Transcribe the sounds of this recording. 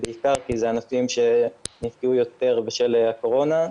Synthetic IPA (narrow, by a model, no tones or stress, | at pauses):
beikaʁkizeanafimʃe̞nifkiujo̞t̪e̞ʁbeʃeleako̞ʁo̞na